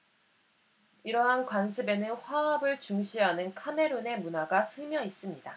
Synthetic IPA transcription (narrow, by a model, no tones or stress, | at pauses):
iɾʌɦankwansʰɯbe̞nɯnɸwaʌbɯɭt͡ɕuŋɕʰiɦanɯnkʰame̞ɾone̞munaɡasʰɯmjʌis͈ɯmɲida